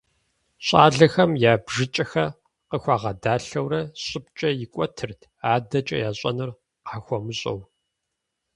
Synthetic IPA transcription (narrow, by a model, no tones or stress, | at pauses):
ɕʼaːɮɐxɐmjaːbʒɪt͡ʃʼɐxɐ | qəxʷaːʁɐdaːɬɐwrɐɕʼɪpt͡ʃʼɐjɪkʷʼɔtʰɨrtʰaːdɐt͡ʃʼɐ̰jaːɕʼɐ̰nɨr | qaːxʷɔmɨɕʼɐ̰w